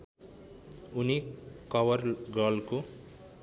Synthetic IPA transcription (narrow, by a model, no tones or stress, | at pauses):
unikʌwʌrɡʌlko